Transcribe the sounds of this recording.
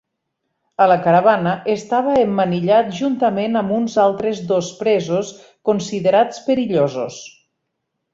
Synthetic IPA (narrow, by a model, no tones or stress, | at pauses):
ələkəɾaβ̞anəʔest̪aβ̞əemːəniʎat̪̚ʒunt̪əmenəmbunzalˠt̪ɾezðospɾɛzos | konsiðeɾat͡speɾiʎozo̰s